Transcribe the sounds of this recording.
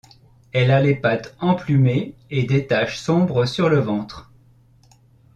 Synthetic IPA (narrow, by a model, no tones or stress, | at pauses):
ɛlalepat̪ɑ̃plymeed̪et̪aʃsɔ̃bʁəsyʁləvɑ̃t̪χ